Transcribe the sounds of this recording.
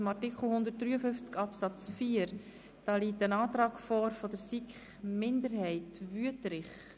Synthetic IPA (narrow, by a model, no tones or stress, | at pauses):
mɑtikχl̩ˠhʊnd̪ət̚d̥ɾyːəfʏft͡skɑpsɑt͡sfiːəɾ | d̥ɑːliːtənɑːtɾɑːɡfɔːɾfɔdəɾsikχ | mɪndəɾhɛɪtvyətɾɪχ